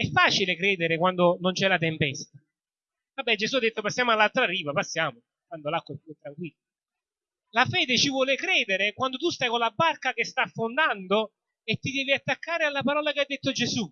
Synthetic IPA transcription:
ɛfːaːt͡ʃilekɾɛːd̪eɾɪkwand̪onont͡ʃɛlat̪̬empɛst̪a | vabːɛd͡ʒesuad̪ːet̪ːopasːjaːmoalːalt̪ɾariːvapasːjaːmo | kwand̪olakːopiet̪ːɾaŋkwilːa | lafɛːd̪ɪt͡ʃivwɔːlɪkɾɛːd̪ɪɾɪkwand̪ot̪ust̪ajkolabːarkak̟est̪afːond̪and̪o | et̪ːid̪ɛːviat̪ːakːaːɾɪalːapaɾɔːlak̟ead̪ːet̪ːod͡ʒesu

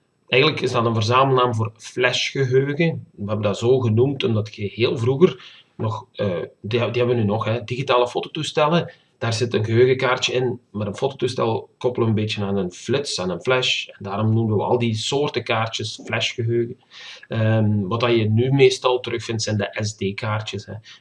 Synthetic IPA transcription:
ʔɛjɣəntləkɪzdɑtənvərzaːməl̩ˠnaːmvoːrflɛʃxəɦøːɣənʋəɦɛbəndaːzoːɣənumtɔmdɑtxəheːlˠvruɣər | nɔxəːdidiɦɛbʋənynɔxɦɛdiɣitaːlˠəfoːtotustɛlə | d̥aːrzɪtənɣəɦøːɣəkaːrtjəɪnmaːɾənfoːtotustɛ̰lˠkɔpəlˠəənbeːtjənaːnənflɪtsaːnənflɛʃɛndaːɾɔmnuməʋəʋəɑ̰lˠdisoːrtəkaːrtjəsflɛʃxəɦøːɣə | əʋɑtɑjənymeːstɑlˠtərɵxfɪntsɛjndəʔɛzdeːkaːrtjəshɛ

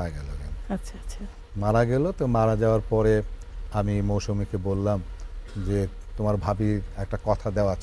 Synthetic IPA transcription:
aɡɛlo̰ɡa̰natːɕʰatːʰa | maɾaɡɛlot̪omaɾad͡ʑaoaɾpɔɾe | amimowʃumikebolːamd͡ʑe | t̪omaɾbʱabiɛk̚ʈakɔt̪ʰad̪eoat͡ɕʰ

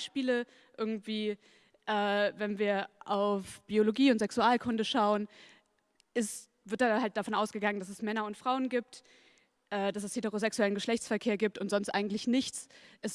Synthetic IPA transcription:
ʃpiːlə | ʔɪɐɡŋ̩tv̥iː | ʔɛːvɛnviːɐʔaʊfb̥ioloɡiːʊntz̥ɛksuaːlkʰʊndəʃaʊən | ʔɪst | vɪɐtd̥ahalt̚d̥afɔnʔaʊsɡ̥əɡaŋəndas̬ɛsmɛnɐʊntfʁ̥aʊənɡiːp̚t | ʔɛːd̥asɛsheteʁozɛksuɛlənɡəʃlɛçt͡sfɛɐkʰeːɐɡiːp̚tʊntz̥ɔnstʔa̰ɪɡŋ̩tlɪçnɪçt͡sʔɛs

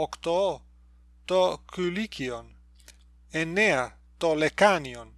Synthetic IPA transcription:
okt̪oo | t̪okylikion | eneɐ | t̪olekanion

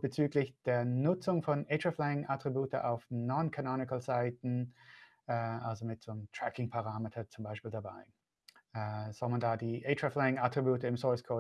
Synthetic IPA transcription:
b̥ət͡syːklɪçd̥eːɐnʊt͡sʊŋfɔnʔetʁaflɛɪŋatʁ̥ibuːtəʔa̰ʊfnɔnkʰanɔnɪkl̩zaɪtn̩ | ʔɛːʔalzomɪtz̥oːmtʁ̥ɛkɪŋpʰaʁaːmetʰɐt͡sʊmbaɪʃpiːldaba̰ɪ | ʔɛz̥ɔlmandaːdiːʔetʁaflɛɪŋatʁ̥ibuːtəɪmsɔɪskʰoː

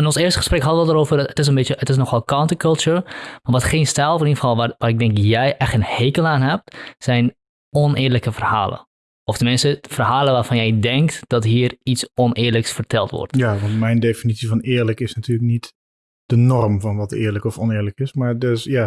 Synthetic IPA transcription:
ənɔnsɪːrstəχəsprɛkɦɑtəʋəlˠdəɾoːvərətɪs̬ənbetjəətɪs̬nɔxɔlˠkawntəkɔlˠtuɹmaʋɔtχeːnstɛlˠfənifɔlˠaʋaːɾɪɡ̚dɛŋkjɛjʔɛxtənheːkəlˠaːnɦɛp̚tsɛjn | ɔnɪːləkəfərha̰ːlˠə̰ | ɔfdəmɪnsəfərɦaːlˠəʋaːrfɑnjɛjdɛŋktd̥ɔtɦiːəritsɔnɪːrləksfərtʰɛlˠtʋɔ̰rtjaʋɑntmɛjndefinitt͡ssifɔnɪːrləkɪsnatʰyːləknit | d̥ənɔrmfɔnʋɔtɪ̰ːɹləkɔfɔnɪːɹləkɪsmaɹdøsja

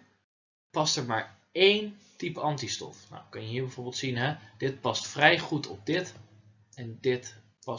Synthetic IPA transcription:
pɑstəɹmaːɹ | ejntipəɑntistɔ̰fna̰wkɑnjəɦiːɹbɛjvoːɹbɪlˠtsinɦɛd̥ɪt̚pɑstfrɛjχutɔ̰b̚dɪt | ɛndɪt | pɑ

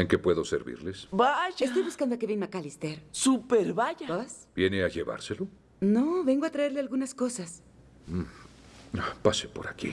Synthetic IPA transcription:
eŋke̞pwe̞ðo̞sḛɾβḭɾlesbaʝest̪o̞jβuskand̪oakeβenmakalist̪eɾsupeɾβaʝaosb̥je̞neaʝeβa̰ɾselo̞ | noβe̞ŋɡoat̪ɾae̞ɾlealɣunasko̞sas̩ | apasepo̞ɾakḭ

